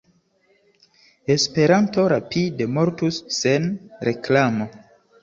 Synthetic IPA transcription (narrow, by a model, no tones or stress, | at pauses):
e̞spe̞ɾanto̞ɾapide̞mo̞ɾtusːe̞nɾe̞klamo̞